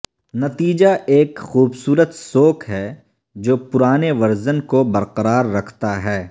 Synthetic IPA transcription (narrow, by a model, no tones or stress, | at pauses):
nɐt̪iːd͡ʒaʔeːkxuːbsuːɾət̪soːkɦɛː | d͡ʒoːpʊɾaːneʋɐɾzənkobɐɾqəɾaːɾːɐkʰt̪aɦɛː